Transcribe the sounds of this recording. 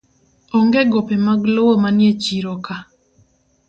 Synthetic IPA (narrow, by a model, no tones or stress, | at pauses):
ɔŋɡeɡopemaɡlowomanjet͡ʃiɾoka